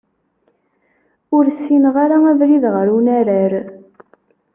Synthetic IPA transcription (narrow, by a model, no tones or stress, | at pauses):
ʊɾsːinʁaɾaævɾiðʁəɾunaɾæɾ